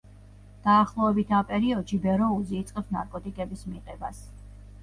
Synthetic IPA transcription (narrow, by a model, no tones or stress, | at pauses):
d̪̥aːχlˠɔɛbit̪ʰapʼɛɾiɔd̪ʃibɛɾɔuziːt̪sʼqʼɛpsnaɾkʼɔt̪ʼikʼɛbismiqʼɛbas